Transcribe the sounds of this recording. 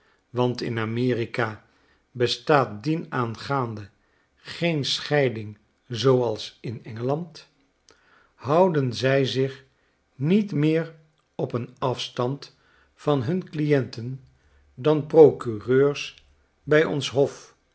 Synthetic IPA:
ʋɑntɪ̰namɪːrikaː | bəstaːt̚dinaːnχaːndə | χejnsχɛjdɪŋ | zowɑlˠsɪnɛŋəlɑnt | ɦʌwdənzɛjzɪχ | nitmɪːr | ɔpənɑfstɑnt | fɑnɦɵnklijɛntən | dɑnprowkyrøːɹs | bɛjɔ̰nsɦɔf

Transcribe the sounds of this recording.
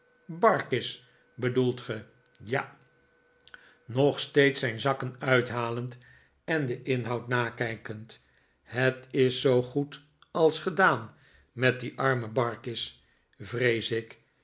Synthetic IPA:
bɑɹkɪs | bədulˠtχə | ja | nɔχstejtsɛjnzɑkənœɥtɦaːlənt | ɛndəʔɪnɦʌwtnaːkɛjkənt | ɦətɪsːowχut | ɑlˠsχədaːn | mɛt̚diʔɑɹməbɑɹkɪs | vrejsɪk

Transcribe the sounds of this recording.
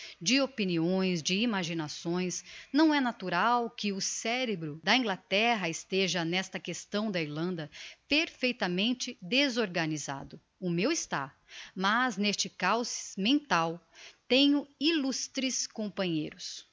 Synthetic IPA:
d͡ʒɪopiniõj̃zd͡ʒɪimaʒinasõj̃snɐ̃w̃ɛnat̪uɾawkɪʊsɛɾebɾʊd̪ɐĩɡlat̪ɛɦɐɪst̪eʒɐnɛst̪ɐkest̪ɐ̃w̃d̪ɐiɾlɐ̃nd̪ɐpeɾfejt̪ɐmẽnt͡ʃɪd̪ezoɾɡɐniza̰d̪ʊ | ʊmewɪst̪a̰ | mɐznest͡ʃɪkawsɪmẽnt̪awt̪ẽɲʊilust̪ɾɪskõpɐ̃ɲejɾʊs

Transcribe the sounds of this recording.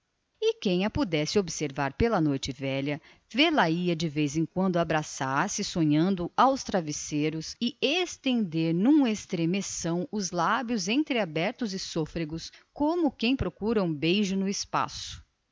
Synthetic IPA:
ɪkẽj̃ɐpud̪ɛsɪobɪseɾvaɾpelɐnojt͡ʃɪvɛʎɐ | velaiɐd͡ʒɪvejzẽj̃kwɐ̃nd̪ʊabɾasaɾsɪsõɲɐ̃nd̪ʊawst̪ɾaviseɾʊsɪest̪ẽnd̪eɾnũest̪ɾemesɐ̃w̃ʊzlabjʊzẽnt̪ɾɪabɛɾt̪ʊzɪsofɾeɡʊskõmʊkẽj̃pɾokuɾɐũbejʒʊnʊɪspa̰sʊ̥

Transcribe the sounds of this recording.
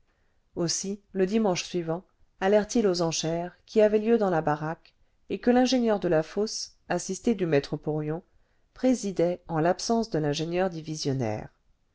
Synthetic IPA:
osiləd̪imɑ̃ʃsɥivɑ̃ | alɛʁt̪ilozɑ̃ʃɛʁkʲiavɛljød̪ɑ̃labaʁak | ekəlɛ̃ʒenjœʁd̪əlafɔs | asist̪ed̪ymɛt̪χəpuʁjɔ̃ | pχezid̪ɛɑ̃lapsɑ̃sd̪əlɛ̃ʒenjœʁd̪ivizjɔnɛ̰ːʁ

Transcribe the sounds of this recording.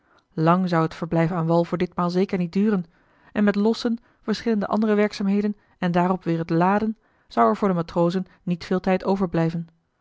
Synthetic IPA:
lɑŋzɑwətfəɹblɛjfaːnʋɑlˠvʊːɹdɪtmaːlˠzejkəɹnit̚dyːrən | ʔɛnmɛtlɔsən | v̥əɹsχɪləndəʔɑ̰ndərəʋɛɹksaːmɦejdən | ɛndaːrɔpʋɪːɹɦətlaːdən | z̥ʌwɛɹvʊːɹdəmaːtrowzənːitfɪːlˠtɛjtowvəɹblɛjvən

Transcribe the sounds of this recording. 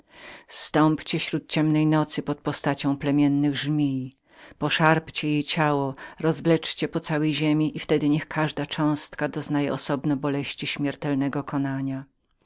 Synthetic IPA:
st̪ɔmpt͡ɕɛɕɾut̪̚t͡ɕɛmnɛjnɔt̪sɘpɔt̪̚pɔst̪at͡ɕɔ̃w̃plɛmʲjɛnːɘɣʐmʲij | pɔʂaɾpt͡ɕɛjejt͡ɕawɔɾɔzvlɛt͡ʂt͡ɕɛpɔt̪sawɛjʑemʲiʔift̪ɛd̪ɘɲɛxkʰaʐd̪at͡ʂɔ̃w̃st̪kad̪ɔznajɛʔɔsɔbnɔbɔlɛɕt͡ɕiɕmʲɛɾt̪ɛlnɛɡɔkɔnaɲa

